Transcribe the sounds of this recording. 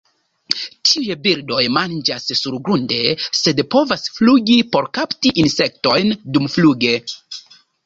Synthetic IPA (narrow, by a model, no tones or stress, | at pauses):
tʰiujebiɾdo̞jmand͡ʒassuɾɡɾunde̞se̞dpo̞vasfluɡipo̞ɾkaptiʔinse̞k̚to̞jndumfluɡe̞